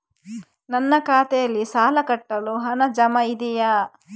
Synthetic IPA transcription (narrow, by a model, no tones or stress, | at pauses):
nɐnːɐkaːt̪ɛjɐlːisaːlɐkɐʈːɐluɦɐnɐd͡ʒɐmɐid̪ija